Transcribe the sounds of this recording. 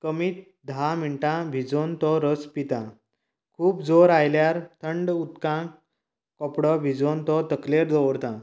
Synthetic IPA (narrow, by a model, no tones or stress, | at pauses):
kəmiːt̪̚ | d̪ʱamiɳʈãbʱid͡zont̪ɔɾəspit̪ã | kʰuːpd͡zoɾajljaɾt̪ʰəɳɖut̪kã | kɔpɽɔbʱid͡zont̪ɔt̪əkleɾd̪ɔʋɽt̪ã